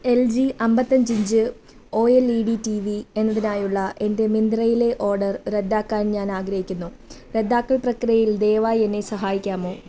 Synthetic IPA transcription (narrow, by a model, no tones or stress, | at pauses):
e̞ld͡ʑiʔɐmbɐt̪ːɐɲd͡ʑiɲd͡ʑɨ | o̞ːeliɽitiʋie̞nːɐðinaːjuɭːɐʔe̞nde̞mind̪rɐjile̞ʔo̞ːrɖɐrɾe̞d̪ːaːkːaːnɲaːnaːɡɾɐhikʲːunːu | re̞d̪ːaːkːɐɭprɐkrijɐjild̪e̞ːʋaːje̞nːe̞sɐɦaːjikʲːaːmo̞ː